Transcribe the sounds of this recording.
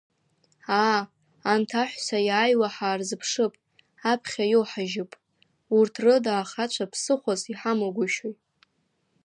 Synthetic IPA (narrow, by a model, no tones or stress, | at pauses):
aː | ntʰaħʷᶣsajaːjwaħaːrzɨpʰʂɨpʼ | apʰχʲajowħaʒɪpʼ | urtʰrɨdaːχat͡ʃʷʰapʰsɨχʷaziħamoɡʷʊʃojtʼ